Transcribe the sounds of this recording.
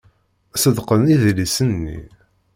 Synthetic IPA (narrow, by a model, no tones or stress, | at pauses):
æsəðqəniðlisənːḭ